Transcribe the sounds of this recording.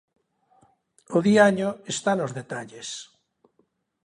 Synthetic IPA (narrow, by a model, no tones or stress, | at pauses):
oðiaɲoest̪anozðet̪aʎes